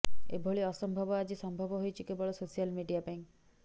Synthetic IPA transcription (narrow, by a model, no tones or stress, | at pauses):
ḛbʱoɭiɔsɔmbʱɔbɔad͡ʒisɔmbʱɔbɔɦojt͡ʃʰikebɔɭɔsosialmiɖijabeŋ